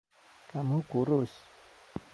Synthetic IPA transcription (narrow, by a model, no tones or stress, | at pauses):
kamukuɾos